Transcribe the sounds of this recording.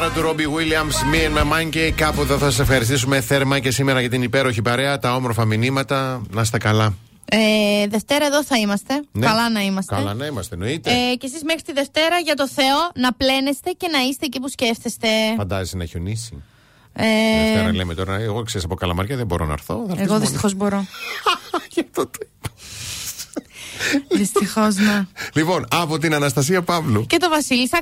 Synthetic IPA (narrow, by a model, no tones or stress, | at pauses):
ɐɾɐt̪uɾobiɣwiliɐmsmiɐnmemɐɲcekɐpueðoθɐsɐsefxɐɾis̬t̪isumeθeɾmɐcesimeɾɐʝɐt̪inipe̞ɾo̞çipɐɾe̞ɐt̪ɐo̞moɾfɐminimɐt̪ɐnɐst̪ekɐlɐ | eðe̞ft̪e̞ɾɐeðo̞θɐimɐst̪e̞nɐlɐnɐimɐstkɐelɐnɐimɐst̪enoit̪ece̞sizme̞xɾit̪iðe̞ft̪e̞ɾɐʝɐt̪o̞θe̞o̞nɐple̞nest̪e̞ce̞nɐist̪e̞cipusce̞fθest̪e̞fɐnd̪ɐzesenɐeçonisḭ | eɐnɐlemet̪o̞ɾɐeɣokseɾisɐpo̞kɐlɐ̰mɐɾçɐðembo̞ɾo̰nɐ̰ɾθo̞̰ðɐeɣoðist̪i̥xo̞zbo̞ɾo̞ | jɐft̪ot̪oip | ðist̪ixo̞znelipo̞nɐpot̪̬inɐnɐst̪ɐs̬iɐpɐvluce̞t̪o̞vɐsilisɐ